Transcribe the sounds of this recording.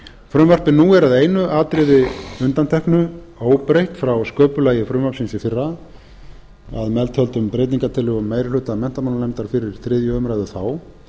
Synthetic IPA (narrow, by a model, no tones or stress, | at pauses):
fɾʏmvar̥pɪnuːɛɾaðeːjnʏʔaːt̪ɾɪðɪʏnt̪ant̪ʰɛhknʏ | oːwpɾejht̪fɾawskœːpʏlaːjɪfɾʏmvapsɪnsɪfɪrːa | a̰ðmɛlt̪hœlt̪ʏmpɾejt̪niŋkat̪ʰɪlʏmːeːjɾɪlʏːt̪amɛn̥t̪amanalɛmt̪aɾ̥fɪɾɪɾ̥θɾɪːðjʏmɾaːjðʏθaw